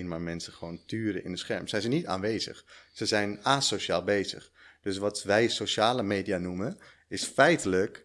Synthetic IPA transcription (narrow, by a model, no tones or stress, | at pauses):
nmaːɹmɛnsəχəʋowntyːɾəʔɪ̰ndəsχɛɹmsɛjzɛjnita̰ːnʋejzə̰χz̥əzɛjnaːsoʃaːlˠbejzə̰χ | d̥øs̬ʋɑtʋɛjsoʃaːləmejdianumən | ɪsfɛjtələk